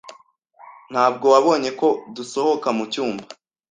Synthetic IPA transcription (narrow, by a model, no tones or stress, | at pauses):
n̥haːb̚ɡo̞waβo̞ːɲe̞ko̞duso̞ho̞kamucuːmba